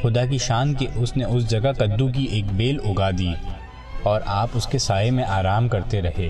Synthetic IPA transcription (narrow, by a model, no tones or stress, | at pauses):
xʊd̪ak̬iʃaːnkeʔʊsneʊs̬d͡ʒɐɡakɐd̪ːũk̬iʔeːkbeːlʊɡad̪iː | ɔːɾʔaːpʊskesaːjemẽʔaːɾaːmkɐɾt̪eɾɐɦeː